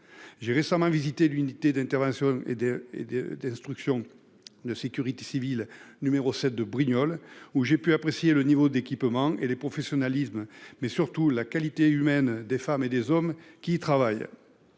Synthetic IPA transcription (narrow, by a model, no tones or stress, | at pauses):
ʒeʁesamɑ̃vizit̪elynit̪ed̪ɛ̃nt̪ɛʁvɑ̃sjɔ̃eḛd̪d̪ɛ̃st̪χyksjɔ̃ | d̪əsekʲyʁit̪e̥sivilnymeʁosɛt̪̚d̪əbʁiɲɔluʒepyapχesjelənivod̪ekʲipmɑ̃ʔelepχɔfesjɔnalisməmɛsyʁt̪ulakalit̪eymɛnd̪efamed̪ezɔmkʲiːt̪χavaj